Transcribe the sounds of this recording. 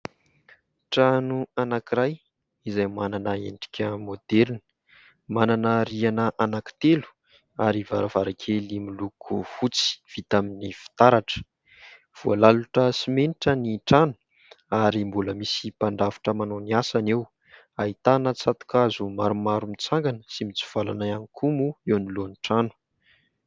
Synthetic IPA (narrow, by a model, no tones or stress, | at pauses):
ʈ͡ʂanuanakiɾaj | izajmananəḛɳɖ͡ʐi̥kʲʰəmod̪̥eɾni̥ | mananəɾianəʔanaki̥t̪elu̥ | aɾivaɾavaɾakʰelimilukʰufut͡si̥v̥it̪aminifi̥t̪aɾaʈ͡ʂə̥ | v̥ualaluʈ͡ʂəsimeniʈ͡ʂəniʈ͡ʂanu̥ | aɾimbuləmisipaɳɖ͡ʐavi̥ʈ͡ʂəmanoniasanew | ait̪anət͡sat̪u̥kazumaɾumaɾumit͡saŋɡanəsimit͡su̥v̥ala̰naanikʰumuewnilonʈ͡ʂanu̥